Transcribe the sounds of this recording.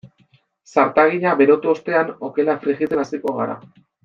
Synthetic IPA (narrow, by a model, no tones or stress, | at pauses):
saɾt̪aɣ̞iʎaβe̞ɾo̞t̪uost̪e̞ano̞ke̞lafɾiɣit͡se̞nasiko̞ɣ̞aɾa̰